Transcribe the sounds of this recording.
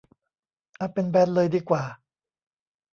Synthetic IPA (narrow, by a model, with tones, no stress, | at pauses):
ʔa˧˩pe˧nbɛː˧˩t̪̚lɤː˧jdiː˧kwaː˨˩